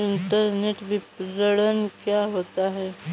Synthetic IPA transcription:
ɪɳʈəɾneːʈbipɾəɽənkjaɦoːt̪aɦɛː

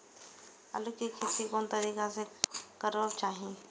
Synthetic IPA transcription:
ɐ̰lʊkikʰɪt̪ikɔːnt̪ɐɾiːkasekəɾəbt͡ʃaːɦĩ

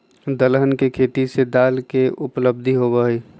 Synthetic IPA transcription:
d̪əlɦənkekʰeːt̪ised̪aːlkeʊpləb̚d̪ʱiɦobəiː

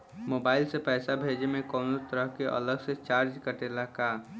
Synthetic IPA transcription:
moːbaːɪlsepɛːsabʱeːd͡ʒemẽkɔːnot̪əɾəɦkeʔɐ̰ləɡset͡ʃaːɾd͡ʒkəʈeːlakaː

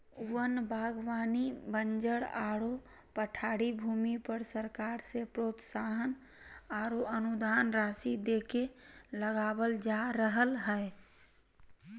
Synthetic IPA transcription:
wənbʱaːɡwaːnibənd͡ʒəɽaːɽo | pəʈʰaːɽibʱuːmipəɾsəɾkaːɾsepɾoːt̪saːɦən | aɾoənud̪aːnɾaːsid̪eːkeləɡaːbəld͡ʒaɾəɦəlɦɛe

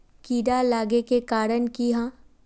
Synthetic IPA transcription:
kiːɖalaːɡekekaːɾənkiɦãː

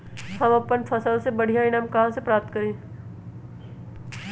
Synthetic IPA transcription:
hɐmɐpənfʰɐsəlsebɐɽ̤ijãɪnãːmkɐɦãsepɾaːp̚t̪̚kɐɾẽː

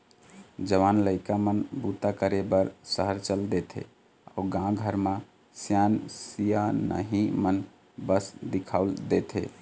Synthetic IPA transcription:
d͡ʒəʋanləɪkamənbut̪akəɾebəɾsəɦəɾt͡ʃəld̪et̪ʰḛ | a̰ʊɡãɡʱəɾmã | sjansijanə̰ɦimən | bəsd̪ikʰaʊld̪et̪ʰḛ

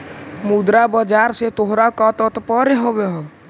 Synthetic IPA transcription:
mud̪ɾabəd͡ʒaːɾset̪oɦɾakɔt̪ət̪pɔɾeɦobeɦo

